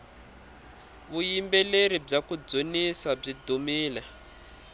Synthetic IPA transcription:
βujimbɛleɾib͡ʐakud͡zonisab͡ʐidumiːlɛ

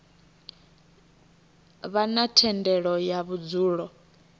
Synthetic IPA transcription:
βanatʰɛndɛɺɔjaβud͡zuːɺɔ

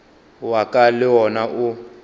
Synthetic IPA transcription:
wakʼalɪwɔnaʔʊ

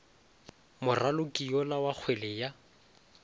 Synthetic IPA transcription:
mʊralʊkʼiɔlawak͡xʰwelɪja

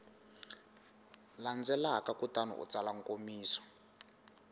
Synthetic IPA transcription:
land͡zɛlakakutanṵʔṵt͡salaŋkomiːsḁ

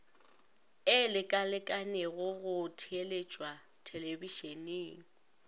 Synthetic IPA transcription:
ɪlɪkʼalɪkʼanɛɣʊɣʊtʰɪelet͡ʃʼwa | tʰelebiʃeneːŋ̩

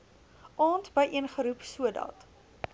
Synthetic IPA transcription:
ʔɑːntbəjʔiənχəɾupsuədɑ̰t

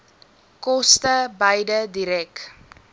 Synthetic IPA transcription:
kɔstəbɐjdədiɾɛk

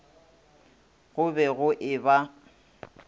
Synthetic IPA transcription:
ɣʊbɛɣʊʔɪba

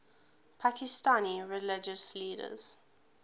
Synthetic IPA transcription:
pʰakɪstãniɹɛlɪd͡ʒəsliːdə̰z̥

